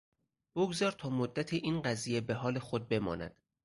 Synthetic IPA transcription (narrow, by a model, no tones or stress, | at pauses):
b̥oɡzɒːɾt̪ʰɒːmod̪ːæt̪ʰeʔiːnɢæziːje̞be̞ɦɒːle̞xod̪̚be̞mɒ̰ːnæ̰d̪̥